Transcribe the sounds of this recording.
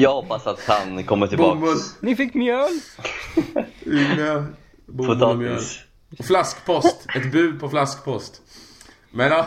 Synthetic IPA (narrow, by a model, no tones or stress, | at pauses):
jɑːhɔpːasat̪hankʰɔmːəʈʰɪlbbʊmbsnɪfɪkːmjøːl | ɪŋːa | bʊfomjøːl | ɔflaskpʰɔst̪ɛt̪bʉ̟ːpʰɔflaskpʰɔst̪ | mɛna